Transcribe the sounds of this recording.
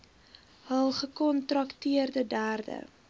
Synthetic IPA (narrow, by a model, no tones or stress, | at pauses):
ɦəlˠχəkɔntrɐktiərdədæːrdə̰